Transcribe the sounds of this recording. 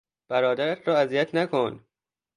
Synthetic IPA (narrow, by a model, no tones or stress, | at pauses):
b̥æɾɒːd̪æɾæt̪ʰɾɒːæzijæt̪ʰnækʰon